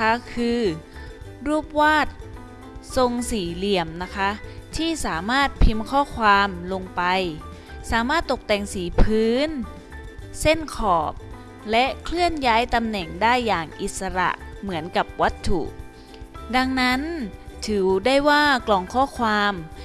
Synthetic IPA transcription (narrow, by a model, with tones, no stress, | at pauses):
a˦˥kʰɯː˧ | ɾuː˥˩p̚waː˥˩t̪̚ | so˧ŋsiː˩˦li˨˩əmna˦˥kʰa˦˥t̪ʰiː˥˩saː˩˦maː˥˩t̪̚pʰi˧mkʰɔː˥˩kʰwaː˧mlo˧ŋpa˧j | saː˨˩˦maː˥˩t̪ːo˨˩k̚t̪ɛː˨˩ŋsiː˩˦pʰɯː˦˥n | se˥˩nkʰɔː˨˩p̚ | lɛ˦˥ʔkʰlɯ˥˩ənjaː˦˥jt̪a˧mnɛ˨˩ŋdaː˥˩jːaː˨˩ŋʔi˨˩t̪̚sa˧ɾa̰˨˩ʔmɯ˩˦ənka˨˩p̚wa˦˥t̪ʰːṵ˨˩ʔ | da˧ŋna˦˥nt̪ʰɯː˩˦da˥˩jwaː˥˩klɔː˧˩ŋkʰɔː˥˩kʰwaː˧m